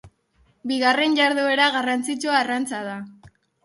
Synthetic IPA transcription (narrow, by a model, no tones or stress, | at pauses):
biɣare̞nʝaɾðoe̞ɾaɣarant͡sit͡ʃuarant͡sað̞a